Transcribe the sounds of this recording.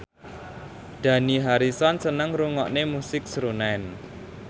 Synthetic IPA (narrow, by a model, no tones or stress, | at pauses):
d̪̥ä̤niɦaɾisɔnsənəŋɾuŋɔʔnemusɪk̚sɾunan